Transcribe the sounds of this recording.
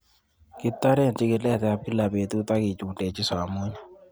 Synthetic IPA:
kɪ˦tːa˦ɾɛ˦˨nt͡ʃɪ˦kɪ˨lɛ˦˨tɛ˨a˨p̚ki˦la˨be˨tu˦ta˦kɪ˨t͡ʃu˨de˨t͡ʃɪ˦sa˨mu˦ɲa˦˨

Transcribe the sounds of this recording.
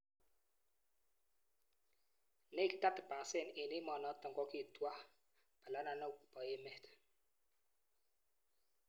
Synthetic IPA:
ne˦˨kta˦tə˨pa˨se˦˨ne˨ne˦mɔ˨nɔ˨˦tɔ˨ŋɡɔ˦ki˦˨twa˦ | ba˨la˨˦na˨nɔ˦˨ku˨pɔ˨e˦mɛ˨t

